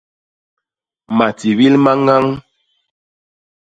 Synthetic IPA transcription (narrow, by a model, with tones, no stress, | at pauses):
ma˨ti˨vi˦lma˦ŋa˦ŋ